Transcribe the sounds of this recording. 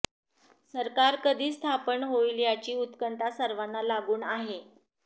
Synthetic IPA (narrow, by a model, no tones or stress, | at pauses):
səɾkaɾkəd̪ʱiːst̪ʰapəɳɦoiljat͡ɕiːut̪kənt̪asəɾʋanːalaɡuːnaɦe